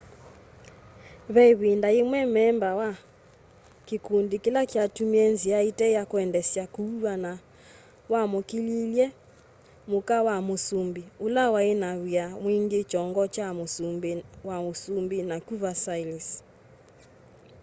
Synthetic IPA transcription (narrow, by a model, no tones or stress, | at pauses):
βɛiβindaemwɛmɛmbawa | kikundikelakatumiɛnziaitɛjakoɛndɛsjakuuana | wamokililjɛ | mokawamosumbiulawaenaβiamwiŋɡet͡ʃɔŋɡɔt͡ʃa | wamosumbinakuvasailis